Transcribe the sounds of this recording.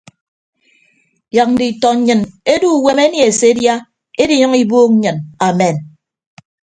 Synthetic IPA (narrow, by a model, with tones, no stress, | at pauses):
ja˨k̚n̩˦di˨tɔ˨ɲ̩˦ɲɨ˨ne˦du˦˨we˦me˦nje˨e˨se˨˦dja˦ | e˦di˦ɲɨ˦ŋi˦boː˦k̩̚˦ɲɨ˨na˨mɛ˨n